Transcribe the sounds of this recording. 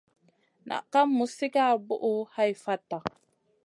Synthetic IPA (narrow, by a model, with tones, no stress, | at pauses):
na̰˨ʔka˦mːu˨si˦ka˦˨bʊ˦ʔu˦ha˦jfa˦tːa˨